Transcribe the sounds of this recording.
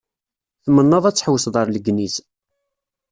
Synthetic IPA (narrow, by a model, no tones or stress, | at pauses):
θmənːɑðˤæt͡sːə̥ħwəsðˤəɾˤləɡnis